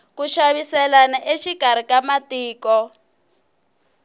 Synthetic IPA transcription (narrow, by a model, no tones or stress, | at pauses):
kuʃaβisɛlanaʔeʃikaɾ̤ikamatiːkɔ